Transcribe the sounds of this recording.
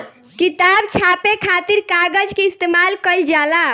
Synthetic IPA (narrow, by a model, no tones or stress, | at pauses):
kit̪abt͡ʃʰapekʰat̪iɾkaɡəd͡ʒkeist̪emalkəɪld͡ʒala